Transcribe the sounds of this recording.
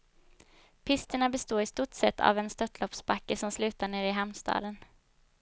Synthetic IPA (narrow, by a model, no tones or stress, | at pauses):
pʰɪst̪əɳabɛst̪oːɾɪst̪uʈsɛt̪ʰːa̰vɛnst̪œt̪ːlɔpsbakːəsɔmslʉ̟ːt̪aɳeːɾɪɦɛmnst̪ɑ̰ːd̪ən